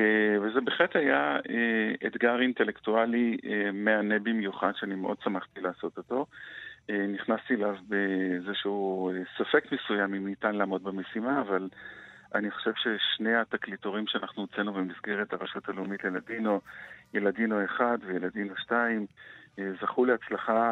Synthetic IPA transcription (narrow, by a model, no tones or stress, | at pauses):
eveze̞be̞χle̞thajaeedɡaʁintelektualiemeanebimjuχadʃeanimeʔo̞d̥̚samaχt̪ilaːso̞t̪o̞to̞ | eniχnast̪ielavbezeʃeuesafe̞kmesujamimnitanlaːmo̞d̚beme̞simaːvalʔaniχo̥ʃe̞v̥ʃe̞ʃne̞hat̪aklitoʁimʃeanaχnuot͡senubemizɡeʁethaʁaʃutaleumitleeladinojeladinoeχadvejeladinoʃtaimzaχuleat͡slaχa